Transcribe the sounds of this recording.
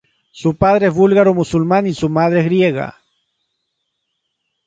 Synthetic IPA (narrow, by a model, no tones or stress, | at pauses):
supað̞ɾeezβulɣaɾomusulmanisumaðɾeezɣɾje̞ɣa̰